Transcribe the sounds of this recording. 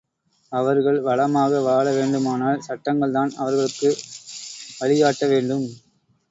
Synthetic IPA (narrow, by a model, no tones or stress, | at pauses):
ɐʋɐɾɣɐɭʋɐɭɐmaːɣɐʋaːɭɐʋeːɳɖɯmaːnaːlsɐʈːɐŋɡɐɭt̪aːnɐʋɐɾɣɐɭɯkːɯ | ʋɐɭɪɣaːʈːɐʋeːɳɖɯm